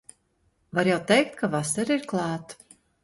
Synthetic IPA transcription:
vaɾjawt̪ɛjkt̪̚kavasɛɾiɾklˠɑːt̪

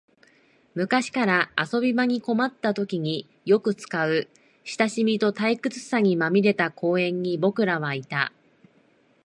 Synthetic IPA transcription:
mɯ̟kaɕi̥kaɾaaso̞bʲimaɲ̟iko̞mat̪ːat̪o̞kʲiɲ̟i | jo̞kɯ̟t͡sɨ̥kaɯ̟ | ɕi̥t̪aɕimʲit̪o̞t̪aikɯ̟t͡sɨ̥saɲ̟imamʲiɾe̞t̪akʰo̞ːẽ̞ɲ̟ːibo̞kɯ̟ɾaβait̪a

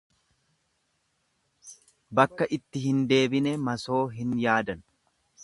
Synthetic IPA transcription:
bɐkːɐʔɪt̪ːɪhɪnd̪e̞ːbɪnɛmɐso̞ːɦɪnjaːd̪ɐn

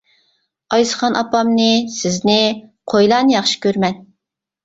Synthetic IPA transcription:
ɑjsə̥χɑnʔɑpɑmnɪsɪznɪqʰojlˠɑnjɑχʃi̥kʲøɾmɛn

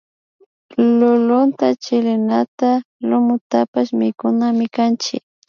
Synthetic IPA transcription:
lʊlʊnt̪at͡ʃɪlɪnat̪a | lʊmʊt̪apaʃmɪkʊnamɪkant͡ʃɪ̰k̚

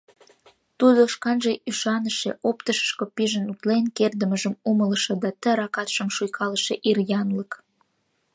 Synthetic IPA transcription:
t̪ud̪oʃkɑnʒeʔyʃɑnəʃḛʔopt̪əʃə̥ʃkopiʒənut̪lenkerd̪ə̆məʒə̆mumələʃĕd̪ɑt̪ə̆ɾɑkɑt̪ʃə̆mʃujkʰɑləʃeʔirjɑnlək

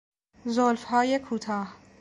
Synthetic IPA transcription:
zolfhɒːjekʰuːt̪ʰɒːh

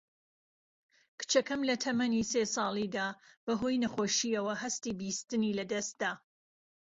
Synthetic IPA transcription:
kʰɨ̥t͡ʃɐkɐmlɐt̪ʰɐmɐnisesɑːlˠid̪aːb̥ɐɦojnɐχoːʃiɐwɐɦɐst̪iːbiːst̪ɨniːlɐd̪ɐst̪̚d̪aː

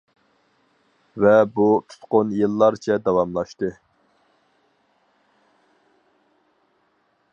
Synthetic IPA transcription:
vɛbut̪ʰu̥t̪qonjɨlˠːɑɾt͡ʃʰɛd̪ɑwɑmlˠɑʃt̪ɨ

